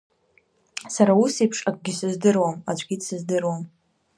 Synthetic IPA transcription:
saɾausipʰʂakʷʼɡʲɪsɨzdɨrwamad͡ʒʷʼɡʲitʼsɨzdɨrwam

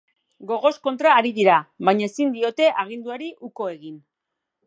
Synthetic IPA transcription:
ɡo̞ɣ̞o̞sko̞nt̪ɾaːɾiðiɾaβajɲae̞sind̪io̞t̪e̞ʔaɣ̞ind̪uaɾiʔuko̞e̞ɣin

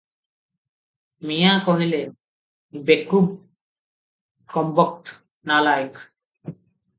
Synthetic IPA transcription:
mijakoɦile | bekub | kɔmbɔk̚t | nalajk

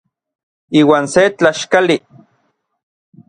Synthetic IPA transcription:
iːwaːnset͡ɬaʃkali

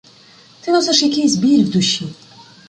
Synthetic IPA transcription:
t̪ɨnɔsɛʂjakʲejsʲbʲiɾʲvd̪uɕːi

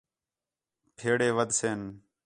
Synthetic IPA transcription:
pʰeːɽeːʋəd̪seːn

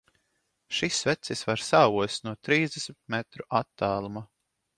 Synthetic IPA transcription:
ʃisvɛt̪sisvaɾsaːvuɔsnuɔt̪ɾiːzd̪ɛsmit̪mɛt̪ɾuʔat̪ːaːlˠuma

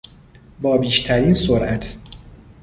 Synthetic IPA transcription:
bɒːbiːʃt̪ʰæɾiːnsoɾʔæt̪ʰ

